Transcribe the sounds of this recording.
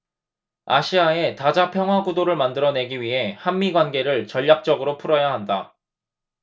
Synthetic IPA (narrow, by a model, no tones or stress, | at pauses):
a̰ɕʰiae̞tad͡ʑapʰjʌŋɦwaɡudoɾɯɭmandɯɾʌne̞ɡiɥiɦe̞hanmːiɡwanɡe̞ɾɯɭt͡ɕʌʎːak̚t͡ɕ͈ʌɡɯɾopʰuɾʌjaɦanda